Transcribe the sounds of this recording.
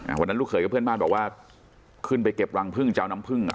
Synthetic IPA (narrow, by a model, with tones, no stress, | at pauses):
ʔa̰˧˩wa˧nːa˦˥lu˥˩kʰɤː˧˩˦jkːɔː˥˩pʰɯ˥˩ə˨maː˥˩nbɔː˨˩k̚waː˥˩ | kʰɯ˥˩np̬a˧jke˨˩p̚wa˧ŋpʰɯ˥˩ŋt͡ɕaː˧wna˦˥mpʰɯ˥˩ŋ̰˨